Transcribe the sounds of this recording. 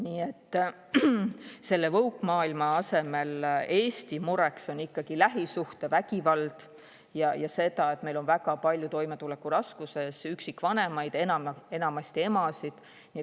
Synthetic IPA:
niːe̞t̪ːˑ | se̞lːe̞vɤwkːˑmɑːilmɑɑse̞me̞le̞ːsʲt̪imuɾe̞kso̞nikːɑɡ̥ilæɦisuht̪e̞væɡivɑld̪̥ | jɑjɑse̞d̪ɑe̞t̪melo̞nvæɡɑpɑlʲjut̪o̞jme̞t̪ule̞kːurɑskuse̞syksikːˑvɑne̞mɑjd̪enɑe̞nɑmɑsʲt̪ie̞mɑsid̪̥ | niet̪

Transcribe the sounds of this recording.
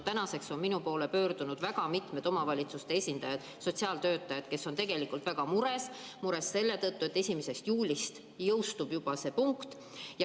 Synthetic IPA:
t̪ænɑse̞kso̞nminupo̞ːlepø̞ːrd̪̥unud̪̥væɡɑmit̪ˑme̞d̪̥o̞mɑvɑlʲit̪sust̪e̞esʲind̪ɑjɑd̪̥ | so̞t̪ʲsiɑːlt̪ø̞ːt̪ːˑɑjɑd̪̥ke̞so̞nt̪e̞ɡe̞likːˑult̪væɡ̥ɑmuɾe̞smuɾe̞sːe̞lːe̞t̪ɤt̪ːuet̪ːe̞sʲimese̞st̪juːlʲist̪ | jɤwst̪ub̥jub̥ɑse̞puŋkt̪ | jɑ

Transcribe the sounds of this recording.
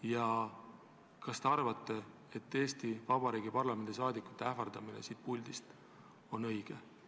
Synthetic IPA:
jɑ | kɑst̪eɑrvɑt̪ːˑe̞ | et̪ːe̞ːst̪ivɑbɑɾiːɡ̥ipɑrlɑme̞nd̪̥is̬ɑːd̪ikːˑu̥t̪ːˑeæfɑrd̪̥ɑminesiːt̪̚pulʲd̪̥ist̪ | o̞nɤ̞jɡ̥e

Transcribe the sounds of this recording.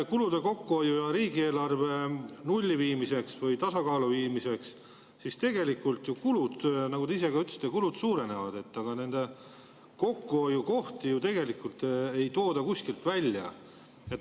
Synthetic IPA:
kulud̪̥e̞ko̞kːuo̞jujɑɾiːɡie̞ːlɑrve̞nulʲːiviːmise̞ksvɯjt̪ɑsɑkɑːluviːmise̞ks | sist̪e̞ɡe̞likːˑult̪jukulud̪̥nɑɡut̪eise̞ɡɑyt̪ːˑsi̥t̪ːˑekulud̪̥suːɾe̞ne̞vɑd̪̥e̞t̪ːɑɡ̥ɑne̞nd̪̥e̞ | ko̞kːuojuko̞ht̪ijut̪e̞ɡe̞likːˑult̪ejt̪o̞ːd̪ɑkuskilt̪vælʲːjɑ̰ | et̪

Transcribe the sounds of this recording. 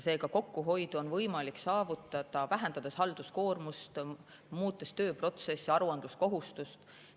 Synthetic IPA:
se̞ːɡɑko̞kːuɦo̞jd̪̥uo̞nvɤjmɑliksɑːvut̪ːˑɑd̪̥ɑvæɦend̪ɑd̪̥eshɑld̪̥usko̞ːrmust̪ | muːt̪ːˑest̪ø̞ːpro̞t̪se̞sːiɑɾuɑnd̪̥lusko̞ɦust̪ust̪

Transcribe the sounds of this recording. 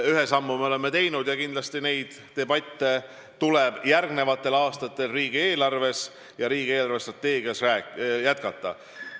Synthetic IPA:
yɦesɑmːumeo̞le̞mːet̪e̞jnud̪̥jɑkind̪̥lɑst̪ine̞jd̪̥ːe̞bɑt̪ːe̞ | t̪ule̞b̥jærɡne̞vɑt̪ˑːe̞lɑːst̪ɑt̪ːˑe̞lriːɡ̥ie̞ːlɑrve̞s | jɑɾiːɡie̞ːlɑrvest̪rɑt̪ˑːe̞ːɡiɑsræːjæt̪̚kɑt̪ˑːɑ̰

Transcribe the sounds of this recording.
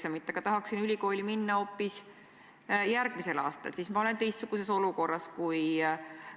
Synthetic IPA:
semit̪ːˑeɡ̥ɑt̪ɑɦɑksinylʲiko̞ːlʲiminːɑo̞ːpːis | jæɾɡ̥mise̞lɑːst̪ɑ̰lsismɑo̞le̞nt̪e̞jst̪suɡ̥use̞so̞luko̞rːɑskuj

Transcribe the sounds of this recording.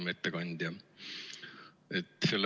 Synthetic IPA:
met̪ːekɑnʲd̪̥jɑ | et̪ːˑselː

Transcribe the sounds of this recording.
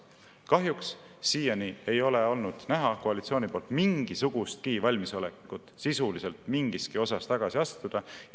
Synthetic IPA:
kɑɦjuksː | iːjɑnie̞jo̞leo̞lnud̪̥næɦɑkoɑlit̪sio̞ːnipo̞ːlt̪miŋɡ̥isuɡ̥ust̪̚kivɑlʲmiso̞lekːut̪sisulise̞lt̪miŋɡ̥iskio̞sɑst̪ɑɡ̥ɑsiɑst̪ud̪̥ɑ

